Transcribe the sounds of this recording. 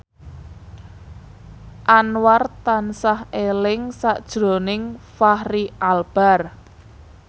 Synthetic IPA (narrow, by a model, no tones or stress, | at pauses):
ʔanwart̪ansahelɪŋsaʔd̥ʒ̥ɾo̤nɪŋfahriʔalb̥a̤r